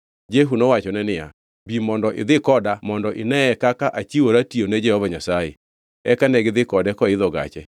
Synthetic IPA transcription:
d͡ʒɛɦunɔwat͡ʃɔnɛnɪa̰ | bimɔndɔʔɪ̰ðɪkɔdamɔndɔʔɪnɛɛkakaʔat͡ʃiwoɾationɛd͡ʒɛhɔvaɲasajḛ | ɛkanɛɡɪðɪkɔdɛkɔɪðɔɡa̰t͡ʃɛ

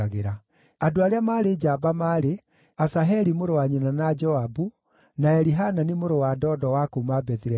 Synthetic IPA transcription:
aɣeɾa | adoaɾeamaːɾed͡ʒabamaːɾe | asaɦɛɾimoɾowaɲenanad͡ʒɔabu | naɛɾiɦananimoɾowadɔːdɔwakomabɛðiɾɛ

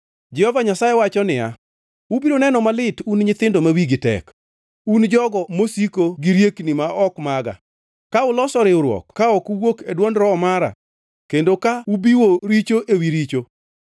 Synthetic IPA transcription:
d͡ʒɛhɔvaɲasajɛwat͡ʃɔnɪja | ubiɾonɛnɔmalɪtunɲɪt̪ɪndomawiɡɪtɛ̰k | und͡ʒɔɡɔmosikoɡiɾjeknimaɔkmaɡa̰ | kaʊlɔsɔɾɪʊɾwɔ̰kːaɔkuwokedwɔndɾɔːmaɾa̰ | kendokaubiwoɾit͡ʃoʔewiɾit͡ʃo

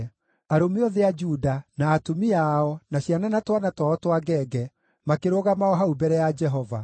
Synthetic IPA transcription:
aɾomeɔðead͡ʒudanaːtomiaɔnaɕjananatwanatwaɔtwaɡɛːɡɛ | makeɾoɣamaɔɦaubɛɾɛjad͡ʒɛɦɔva̰

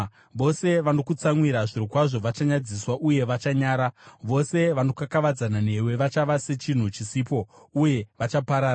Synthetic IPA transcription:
ʋo̞se̞ʋano̞kut͡saŋwiɾaʐirikwaʐo̞ʋat͡ʃaɲad͡ziswaʔuje̞ʋat͡ʃaɲaːɾaʋo̞se̞ʋano̞kakaʋad͡zanane̞we̞ʋat͡ʃaʋase̞t͡ʃin̤ut͡ʃisipo̞ | uje̞ʋat͡ʃapaɾaː

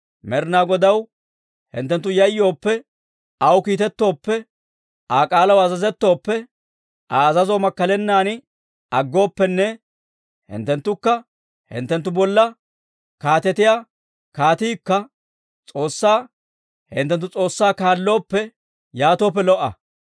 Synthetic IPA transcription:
mɛɾnaːɡɔd̪ɐw | hɪ̰nt̪ːɛnt̪ːʊjɐjːo̞ːpːɛ | ɐwkiːt̪ɛt̪ːo̞ːpːɛ | aːkʼaːlɐwɐzɐzɛt̪ːo̞ːpːɛ | ʔaːɐzɐzoːmɐkːɐlɛnːaːnɪ | ɐɡːo̞ːpːɛnːɛ | hɪ̰nt̪ːɛnt̪ːʊkːɐ | hɪ̰nt̪ːɛnt̪ːʊbɔlːɐ | kaːt̪ɛt̪ɪjaː | kaːt̪iːkːɐ | t͡sʼo̞ːsːaː | hɪ̰nt̪ːɛnt̪ːʊt͡sʼo̞ːsːaːkaːlːo̞ːpːɛ | jaːt̪o̞ːp̬ːɛlɔʔːɐ̰

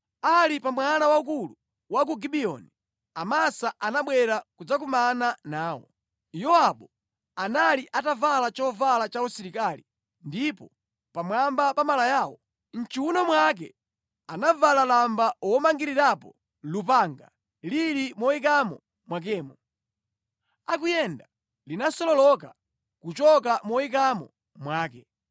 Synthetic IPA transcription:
alipamwanawaukulu | wak̬uɡiɓiɔ̰ni | amasaʔanaɓwɛɾakud͡zak̬umananaːwɔ̰ | jɔaɓɔ | analiʔatavalat͡ʃɔvalat͡ʃaɔsiɾikaːli | ndipɔ | pamwambapamalajaːwɔ | n̩t͡ʃiwunɔmwak̬ɛ̰ | anavalalambawɔmaŋɡiɾiɾapɔ | lup̬aːŋɡa̰ | liɾimɔikamɔ | mwak̬ɛːmɔ | ak̬ujɛnda | linasɔlɔlɔka | kut͡ʃɔkamɔik̬amɔ̰ | mwaːk̬ɛ

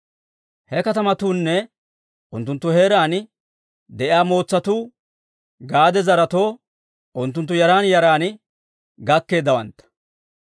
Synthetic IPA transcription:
hɛkɐt̪ɐmɐt̪uːnːɛ | ʔʊnt̪ːʊnt̪ːʊhe̞ːɾaːn | d̪ɛʔɪaːmo̞ːt͡sːɐt̪uː | ɡaːd̪ɛzɐɾɐt̪o̞ː | ʔʊnt̪̬ːʊnt̪ːʊjɐɾaːnjɐɾaːn | ɡɐkːe̞ːd̪ːɐwɐnt̪ːɐ̥

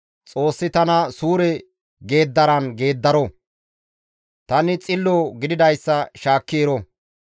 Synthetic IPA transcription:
t͡sʼo̞ːsːɪt̪ɐnɐsuːɾɛ | ɡe̞ːd̪ːɐɾɐnɡe̞ːd̪ːɐɾɔ | t̪ɐnɪt͡sʼɪlːoɡɪd̪ɪd̪ɐjsːɐʃaːkːeːɾɔ

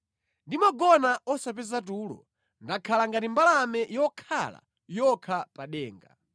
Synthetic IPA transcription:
ndimaɡɔnaɔsap̬ɛzatuːlɔ̰ | ndakʰalaŋɡatimbalamɛjɔkʰala̰ | jɔkʰapaɗɛːŋɡa̰

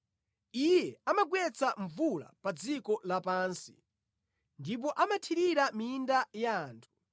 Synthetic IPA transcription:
ijɛamaɡwɛt͡saɱvula̰pad͡zikɔlapaːnsi̥ | ndip̬ɔʔamatʰiɾiɾamiːndajaːntʰu̥

